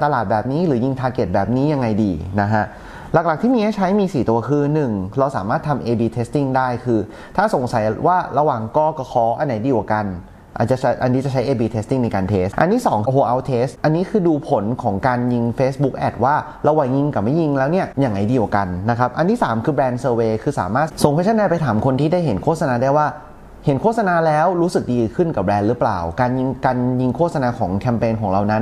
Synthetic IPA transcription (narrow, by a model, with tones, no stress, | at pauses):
t̪a˧laː˨˩bɛː˨˩p̚niː˦˥ɾɯː˩˦ji˧ŋt̪ʰaː˧ke˨˩t̪̚bɛː˨˩p̚niː˦˥ja˧ŋːa˧jdiː˧na˦˥kʰa˦˥ʔ | la˨˩kla˨˩k̪̚ʰiː˥˩iː˧a˦˥t͡ɕʰa˦˥jmiː˧siː˨˩t̪u˧ɐkʰɯː˧nɯ˨˩ŋɾa˧wsa̰ː˩˦maː˥˩t̪ʰːa˧mʔeː˧biː˧t̪ʰeː˦˥st̪i˧˥˩ŋdaː˥˩jkʰɯː˧ | t̪ʰaː˥˩so˨˩˦ŋsa˨˩˦jwaː˥˩ɾa˧waː˨˩ŋkɔː˥˩kɔː˥˩kʰɔː˦˥ʔa˧nːa˨˩˦jdiː˧kwa̰˨˩ka˧n | ʔa̰˨˩t̪̚t͡ɕa˨˩t͡ɕʰa˧˩ʔa˧nːiː˦˥t͡ɕa˨˩t͡ɕʰa˦jʔeː˧biː˧t̪ʰe˦˥t̪i˥˩ŋna˧jkaː˧nt̪ʰeː˦˥sʔa̰˧nt̪ʰiː˥˩sɔː˩˦ŋkhoː˧ʔa˧wt̪ʰeː˦˥sʔa˧nːiː˦˥kʰɯː˧duː˧pʰo˨˩˦nkʰɔː˩˦ŋkaː˧nji˧ŋfeː˦˥sbu˦˥k̚ʔɛ̰˨˩t̪̚waː˥˩ | ɾa˧wa˨˩˦ŋji˧ŋka˨˩ma˥˩ji˧ŋlɛː˦˥wni˥˩ɐjaː˨˩ŋa˧˩jdiː˧wa˨˩ka˧nːa˦˥kʰa˦˥p̚ʔa˧nt̪ʰiː˥˩saː˩˦mkʰɯː˧bɛː˧nsɤː˧weː˧kʰɯː˧sa̰ː˨˩˦maː˥˩t̪̚so˨˩˦ŋpʰt̪ʰa˥˩naː˧˩pa˧jt̪ʰaː˩˦mkʰo˧nt̪ʰiː˥daː˥˩jɦe˩˦nkʰoː˥˩t̪̚sa˧naː˧daː˥˩jwaː˥˩ | he˩˦nkʰoː˥˩t̪̚sa˧naː˧lɛː˦˥wɾuː˦˥sɯ˨˩k̚diː˧kʰɯ˥˩nka˨˩bɾɛː˧nɾɯ˦˥pla̰ː˨˩wkaː˧nji˧ŋkaː˧nji˧ŋkʰoː˥˩t̚sa˧naː˧kʰɔː˩˦ŋkʰɛ˧mpeː˧nkʰɔː˩˦ŋɾa˧wna˦˥n